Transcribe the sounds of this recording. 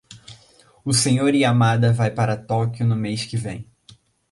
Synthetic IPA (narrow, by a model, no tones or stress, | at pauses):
ʊsẽɲoɾɪamad̪ɐvajpaɾɐt̪ɔkjʊnʊmejskɪvẽj̃